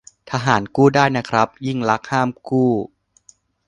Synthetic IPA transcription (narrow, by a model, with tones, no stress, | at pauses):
t̪ʰa˧ɦaː˩˦nkuː˥˩daː˥˩jna˦˥kʰɾa˦˥p̚ji˥˩ŋla˦˥k̚haː˥˩mkuː˥˩